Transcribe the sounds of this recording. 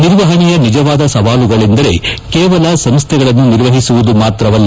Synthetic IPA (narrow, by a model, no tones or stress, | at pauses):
niɾʋɐɦɐɳijɐnid͡ʒɐʋaːd̪ɐsɐʋaːluɡɐɭind̪ɐɾe̞̰keːʋɐlɐsɐmst̪ʰɛɡɐɭɐnːuniɾʋɐɦisuʋud̪umaːt̪ɾɐʋɐlːɐ